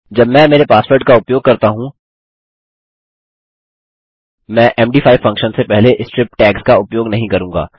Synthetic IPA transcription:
d͡ʒɐbmɛ̃meːɾepaːspoːɾʈkaʊpjoːɡ̚kɐɾt̪aɦũ | mɛ̃ːʔɛːmɖiːfʰaːɪfɐ̃ŋkʃənsepɛɦleʔɪsʈɾɪpʈɛːkskaʊpjoːɡnɐɦĩkɐɾũːŋɡa̰ː

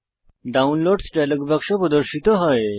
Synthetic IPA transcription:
ɖaunloɖsʈajlɔɡbakʂɔpɾəd̪əɾɕit̪ɔɦɔe

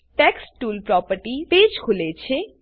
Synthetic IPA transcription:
ʈɛksʈulpɾɔpəɾʈip̪ed͡ʑkʰulet͡ɕʰe

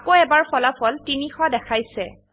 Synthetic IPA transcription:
koɛbaɹpʰɔlapʰɔltinixɔdɛkʰajsɛ

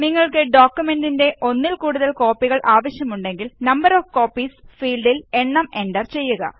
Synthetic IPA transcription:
niŋːɐɭkɨɖoːkjume̞ndinde̞ʔo̞nːilkuːɽuðɐlko̞ːpːiɣɐɭʔaːʋɐɕjɐmuɳɖe̞ŋɡilnɐmbɐɾoːfko̞ːpːisfiːlɖile̞nːɐme̞ɳɖɐrt͡ɕe̞jːuɣɐ̰

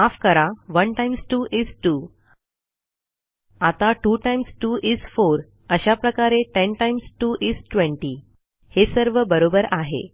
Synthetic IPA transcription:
afkəɾaʋənʈajmsʈuːʔisʈu | at̪aʈuːʈajmsʈuʔisfoɾ | əɕapɾəkaɾeʈenʈajmsʈuːʔisʈʋẽɳʈi | hesəɾʋəbəɾobəɾaɦḛ

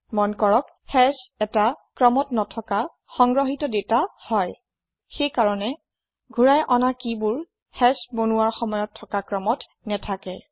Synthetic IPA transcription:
mɔnkɔɹɔk | hɛsɛtakɹɔmɔtnɔtʰɔka | xɔŋɡɹɔɦitɔdetahɔj | xejkaɹɔnɛ | ɡʱuɹajʔɔnakibʊɹ | hɛsbonuaɹxɔmɔjɔtʰːɔkakɹɔmɔt | nɛtʰakɛ

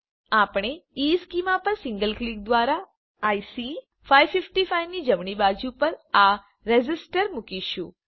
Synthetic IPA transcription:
apɽ̃eiskimapəɾsɪ̃ŋɡəlklik̚d̪ʋaɾaː | jsi | faiʋfɪfʈifajʋnid͡ʒəmɳibad͡ʒupəɾa | ɾed͡ʒɪsʈəɾmukiʃũ

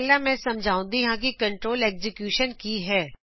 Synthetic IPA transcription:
lamɛ̃ːsɐmd͡ʒʱaːũnd̪iɦãk̬ikɐ̃ɳʈɾoːleːkzɪkjuːʃənkiɦɛː

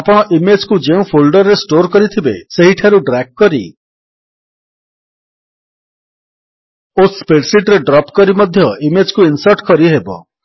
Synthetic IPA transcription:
apɔɽ̃ɔʔimed͡ʒkud͡ʒeũpʰolɖɔɾːesʈoɾkɔɾit̪ʰibeseɦiʈʰaɾuɖɾak̚ːɔɾḭ | ospeɖsiʈɾeɖɾɔpkɔɾimɔd̪ʱjɔʔimed͡ʒkuinsɔɾʈkɔɾiɦebɔ̰

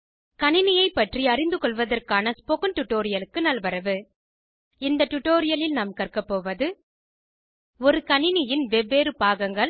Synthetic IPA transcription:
kɐɳɪnɪjɐɪpːɐʈriɐɾɪnd̪ɯkɔɭʋɐðɐrkaːnɐspɔkɐnʈʊʈːoːɾɪjɐlɯkːɯnɐlʋɐɾɐʋɯ | ɪnd̪ɐʈʊʈːoːɾɪjɐlɪlnaːmkɐrkɐpːoːʋɐðɯ | ɔɾɯkɐnɪnɪjɪnʋɛʋːeːɾɯpaːɣɐŋɡɐɭ

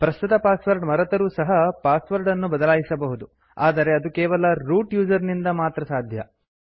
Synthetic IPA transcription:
pɾɐst̪ut̪ɐpaːsʋɐɾɖmɐɾɐt̪ɐɾuːsɐɦɐpaːsʋɐɾɖɐnːubɐd̪ɐlaːjisɐbɐɦud̪u | aːd̪ɐɾe̞ɐd̪ukɛːʋɐlɐɾuːʈjuːd͡ʒɐɾnind̪ɐmaːt̪ɾɐsaːd̪ʱjɐ

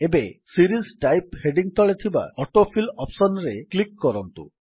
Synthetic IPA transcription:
ebesiɾisʈajpheɖiŋt̪ʰɔɭet̪ʰiba̰ɔʈopʰilɔpsɔnɾeklikːɔɾɔnt̪ṵ

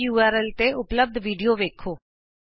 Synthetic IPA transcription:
uːaːɾɛːlt̪eːʔʊpləb̚d̪ʋiːɖioːʋeːkʰoː

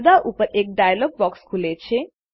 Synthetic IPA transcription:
d̪aʔupəɾek̚ɖajlɔɡ̚bɔkskʰulet͡ʃʰe

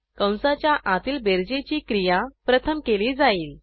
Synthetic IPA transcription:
kə̃w̃sat͡ɕjaʔãt̪iːlbeɾd͡ʑet͡ɕiːkɾijapɾət̪ʰəmkeliːd͡zaiːl

